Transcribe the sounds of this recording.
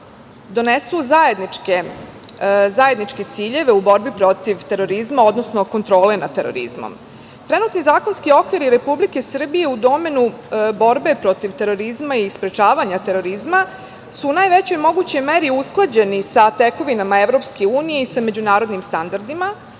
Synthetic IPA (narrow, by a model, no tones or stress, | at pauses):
d̪o̞nesuzaed̪nie | zaje̞d̪nit͡ʃke̞t̪siːʎe̞ʋe̞ubo̞ɾbipɾo̞t̪iʋt̪e̞ɾo̞ɾizmaod̪nosno̞ko̞nt̪ɾo̞ːle̞nat̪e̞ɾo̰ɾḭzmo̰m | t̪ɾe̞nuːt̪nizaːko̞nskio̞kʋiɾiɾe̞publike̞sr̩bije̞ud̪o̞me̞nubo̞ɾbe̞pɾo̞t̪iʋt̪e̞ɾo̞ɾizmaispɾe̞t͡ʃaːʋaɲat̪e̞ɾo̞ɾizma | suːnaːjʋe̞t͡ɕo̞jmo̞ɡut͡ɕo̞jme̞ɾiusklˠad͡ʑe̞nisat̪e̞ko̞ʋinamaeʋɾo̞pskeuːnije̞isame̞d͡ʑunaːɾo̞d̪nimst̪and̪aɾd̪ima